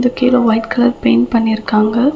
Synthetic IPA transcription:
d̪ɯkːeːloːʋɐɪʈkɐlɐɾpeːnpɐɳːɪɾɯkːaːŋɡɐ

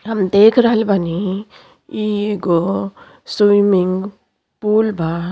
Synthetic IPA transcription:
ɦɐmd̪eːkʰɾəɦəlbʱani | ieɡo | swumɪŋɡ | puːlbʱa

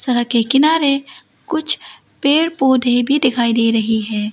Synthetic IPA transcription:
sɐɾəkekɪnaːɾe | kʊt͡ʃʰ | peːɽpoːd̪ʱebʱid̪ɪkʰaːid̪eːɾɐɦiɦɛː

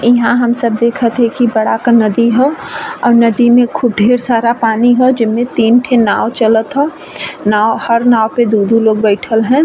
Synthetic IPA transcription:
ɪɦãɦəmsəb̚d̪eːkʰət̪ɦɛ̃kibəɽakanɐd̪iɦɛɔːɾnəd̪imẽkʰub̚ɖʱeːɾsaːɾapaːniɦɛd͡ʒɪnmẽt̪iːnʈʰenaːwt͡ʃələt̪ɦɛː | naːwhəɾnaːwped̪uːd̪ʱũloːɡbɛɪʈʰəlɦɛ̃ː

